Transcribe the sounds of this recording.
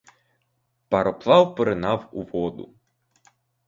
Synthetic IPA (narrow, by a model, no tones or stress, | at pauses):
pɐɾɔplˠɑwpɾɪnɑwuʋɔd̪ʊ̰